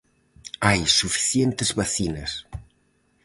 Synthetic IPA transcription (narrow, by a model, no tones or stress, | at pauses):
ajsufi̥θjent̪ezβaθinɐs